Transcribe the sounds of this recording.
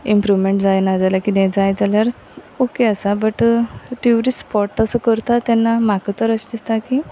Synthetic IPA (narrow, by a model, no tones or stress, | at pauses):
impɾuʋmeɳʈd͡zajnad͡zaljakinɛ̃d͡zajd͡zaljaɾ | okeəsabəʈʈiʋɾispɔʈəsəkəɾt̪at̪ɛnːamakət̪əɾəɕd̪ist̪aki